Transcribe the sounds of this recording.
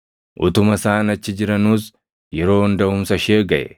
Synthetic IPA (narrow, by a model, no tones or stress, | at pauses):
ʔʊt̪ʊmɐsaːnɐt͡ʃːɪd͡ʒɪɾɐnuːs | jɛɾo̞ːnd̪ɐʊmsɐʃeːɡɐʔɛ̰